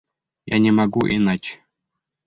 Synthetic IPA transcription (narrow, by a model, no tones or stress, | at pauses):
ja̰nʲemaɡuʔinɑt͡ɕ